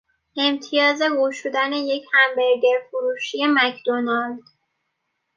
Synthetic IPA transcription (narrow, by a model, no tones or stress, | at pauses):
e̞mt̪ʰijɒːze̞ɡuʃod̪æne̞je̞cʰhæmbeɾɟeɾfoɾuːʃije̞mæcʰd̪̥onɒld̪̥